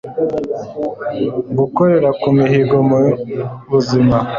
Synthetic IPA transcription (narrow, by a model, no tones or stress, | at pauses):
ɡukoɾe̞ɾakumiɦiɡo̞muβuzima